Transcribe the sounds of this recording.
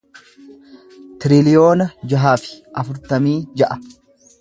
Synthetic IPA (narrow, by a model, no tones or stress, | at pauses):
t̪ɪɾɪlɪjo̞ːnɐd͡ʒɐɦaːfɪ̥ɐfʊɾt̪ɐmiːd͡ʒɐʔɐ